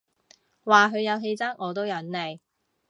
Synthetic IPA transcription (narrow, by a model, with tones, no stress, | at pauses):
waː˨ɦɵ˨˧ɥjɐ˨˧wɦe˧jt͡sɐ˥ŋʔɔː˨˧t̪̬o˥wjɐ˨˥nle˨˩j